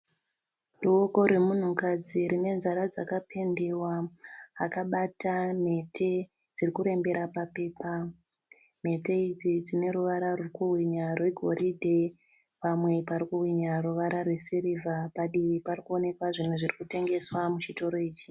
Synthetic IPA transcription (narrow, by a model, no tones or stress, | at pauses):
luwoko̞ɾwemun̤ukad͡ziɾine̞nzaɾad͡zakapʰe̞ndewaː | kaɓatame̞tʰe̞ | d͡zirikuɾe̞mbe̞ɾapape̞ːpa | me̞te̞id͡zid͡zine̞ɾuʋaɾarwukuɦwiɲarwe̞ɡʱo̞rʔidʱe | pamwe̞paɾikuɦwiɲaruʋaɾarwe̞siɾivʱapaɗiʋiparikuo̞ne̞kwaʐin̤uʐirikute̞ŋɡe̞swamut͡ʃito̞ɾo̞iːt͡ʃi